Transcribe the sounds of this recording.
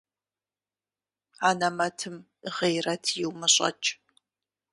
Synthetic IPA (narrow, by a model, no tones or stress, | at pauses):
aːnɐmɐtʰɨm | əʁejrɐtʰjɪwmɨɕʼɐ̰t͡ʃʼ